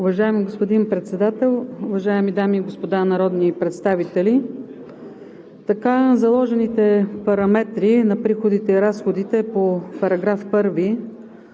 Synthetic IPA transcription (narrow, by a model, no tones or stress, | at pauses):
ʊvɐʒaɛmiɡospod̪inpɾɛt̪sɛd̪at̪ɛlˠʊvɐʒaɛmid̪amiːɡospod̪anɐɾɔd̪nipɾɛt̪st̪avit̪ɛli | t̪ɐkazɐlˠɔʒɛnit̪ɛpɐɾɐmɛt̪ɾinɐpɾixod̪it̪ɛiɾasxod̪it̪ɛpopɐɾɐɡɾafpɤɾvi